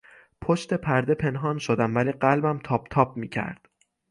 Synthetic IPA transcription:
pʰoʃt̪e̞pʰæɾd̪e̞pʰe̞nɦɒːnʃod̪æmvæliːɢælbæmt̪ʰɒːb̚t̪ʰɒːb̚miːcʰæ̰ɾd̪̥

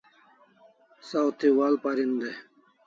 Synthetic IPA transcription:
sawt̪ʰiwaːlpaɾind̪e

